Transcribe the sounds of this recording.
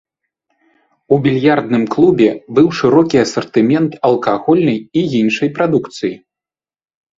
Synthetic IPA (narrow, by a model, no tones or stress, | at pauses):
ubʲilʲjard̪nɨmklˠubʲɛbɨwʂɨɾɔkʲiɐsɐrt̪ɨmʲɛnt̪ɐlˠkaɣɔlʲnɐjiinʂɐjpɾad̪ukt̪sɨji